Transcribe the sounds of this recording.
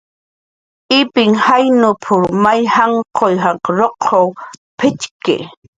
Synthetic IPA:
ɪpɪŋhajnʊpʰʊɾmajhaɴqʰojɦaqɾoqʰowpʰɪt͡ʃkɪ̰

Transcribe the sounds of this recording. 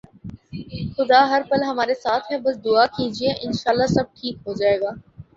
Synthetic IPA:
xʊd̪aɦɐɾpɐlɦɐmaːɾesaːt̪ʰɦɛbɐsd̪ʊakiːd͡ʒieʔɪnʃaːlːasɐb̚ʈʰiːkɦod͡ʒaːeːɡaː

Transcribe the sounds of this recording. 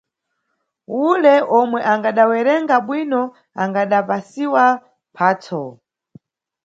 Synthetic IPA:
ulɛʔɔmwɛʔaŋɡaɗawɛɾɛŋɡaɓwinɔ | aŋɡaɗapasiwa | pʰaːtʰɔ

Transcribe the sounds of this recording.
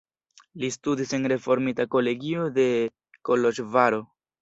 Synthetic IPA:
listudise̞nɾe̞fo̞ɾmitako̞le̞ɡio̞de̞ | kolo̞ʃvaɾo̞

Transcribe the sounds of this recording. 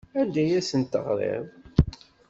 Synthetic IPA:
ænd̪æjæsənt̪ə̰ʁɾḛðˤ

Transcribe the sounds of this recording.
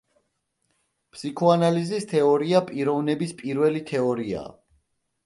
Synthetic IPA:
pʰsikʰɔanalizist̪ʰɛɔɾiapʼiɾɔvnɛbispʼiɾvɛlit̪ʰɛɔɾia̰ː

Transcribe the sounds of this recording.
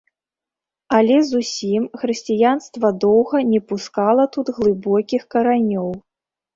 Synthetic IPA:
ɐlʲɛzusʲimxɾɨsʲt͡sʲijanst̪vɐd̪ɔwɣɐnʲɛpuskalˠɐt̪ud̪ɣlˠɨbɔkʲixkɐɾanʲɔw

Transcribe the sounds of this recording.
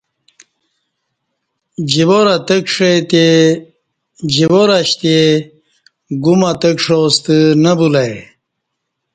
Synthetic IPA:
d͡ʑiwoɾat̪əkʂet̪e | d͡ʑiwoɾaɕt̪e | ɡumat̪əkʂost̪ənəbulaj

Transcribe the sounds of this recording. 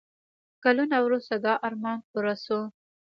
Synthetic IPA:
kalunawɾust̪ad̪ɑʔɑɾmɑnpuɾaso

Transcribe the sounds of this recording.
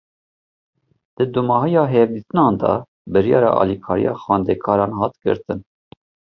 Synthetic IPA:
d̪̥ɨd̪umɑɦijɑːɦɛvd̪it̪ɨnɑːnd̪ɑ̰ | bɨɾjɑ̰ːɾɑ̰ʔɑ̰ːlikʰɑːɾḭjɑ̰ːxwɑːnd̪ɛkʰɑːɾɑːnhɑːt̪ɡə̰ɾt̪ɨn

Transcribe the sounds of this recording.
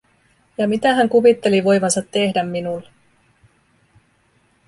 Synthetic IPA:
jɑmit̪æɦæŋkuʋit̪ːe̞liʋo̞jʋɑnsɑt̪ːe̞hdæmːinulː

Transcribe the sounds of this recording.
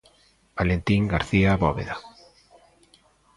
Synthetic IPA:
b̥alent̪iŋɡaɾθiaβɔβḛða

